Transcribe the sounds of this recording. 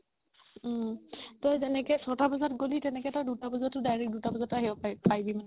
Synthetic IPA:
tɔjzɛnɛkɛsɔtabɔzatɡolitɛnɛkɛtɔjdutabɔzatːʊdajɹɛk̚dutabɔzɔtaɦibɔpajpajbimanɛ

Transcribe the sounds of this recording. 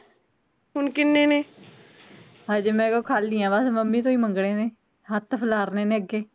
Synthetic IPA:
ɦʊnkɪnːeːneː | ɦaːd͡ʒeːmɛ̃ːkoːkʰaːlːiːãːbəsməmːiːt̪õːiːməŋɡɽeːneː | ɦət̪pʰəlaːɾneːnẽːəɡeː

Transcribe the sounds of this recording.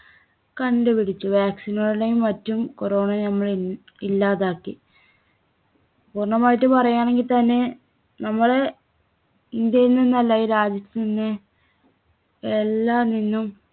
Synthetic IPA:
kɐɳɖɨpiɽit͡ɕːuʋaːksinoːɽiɽejumːɐtːumkoɾo̞ːɳɐnɐmːɐɭ | ilːaːðaːkːi | puːrɳɐmaːjiʈːɨpɐrɐjaːɳe̞ŋɡilt̪ɐnːe | nɐmːɐɭe | ind̪jɐjilninːɐlːaːjiɾaːd͡ʑjɐt̪ːninːɨ | elːaːninːum

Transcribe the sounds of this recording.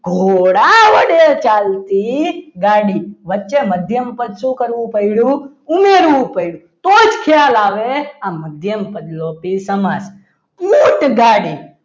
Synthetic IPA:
ɡʱoɽaʋəɽet͡ʃaːlt̪iɡaːɽiːʋətːt͡ʃeməd̪ʱjəmpəd̪sũkəɾʋũpəiɽũ | ʊmeːɾʋũpəiɽu | t̪oːd͡ʒkʰjaːlaːʋeaməd̪ʱjəmpəd̪lopisəmas | muːʈɡaːɽi

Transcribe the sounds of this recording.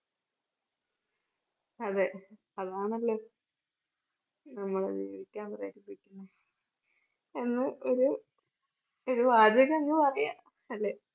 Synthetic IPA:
ɐðɨ | ɐðaːɳɐlːeː | nɐmːɐɭɐ̰ðiɐʋikʲːaːnpɐrɐjɐʈːipːikʲːunːɐ | e̞nːɨʔoɾu | oɾuʋaːd͡ʑɐɣɐeŋːɨpɐrɐja | ɐlːe

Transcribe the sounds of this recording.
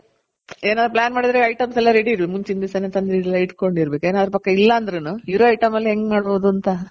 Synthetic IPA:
eːnaːd̪ɾuplaːnmaːɽid̪ɐɾeɐjʈɐmsɛlːɐɾeɽiːɾbemuɲt͡ʃind̪isɐnet̪ɐnd̪ɾilːɐiʈko̞ɳɖiɾbekue̞ːnaːd̪ɾupɐkːɐilːɐːnd̪ɾenuiɾoɐjʈɐmɐlːiɦeŋɡmaːɽboʋd̪uɐnt̪ɐ

